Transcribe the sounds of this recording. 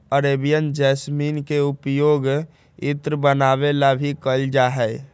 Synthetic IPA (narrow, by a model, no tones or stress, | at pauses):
əɾebijənd͡ʒɛsminkeupjoːɡ | it̪ɾəbənabelabʱikəld͡ʒaɦɛ